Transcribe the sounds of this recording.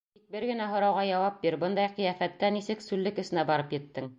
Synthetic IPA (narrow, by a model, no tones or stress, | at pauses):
t̪ik̚bɘɾɡɘ̆næɦŏɾɑwʁɑjɑwɑp̚biɾbɤnd̪ɑjqɤ̆jæfæt̪ːænisɘksʉlːɘkɵ̆sɘ̆næbɑɾɤpjɘ̆t̪ːɘŋ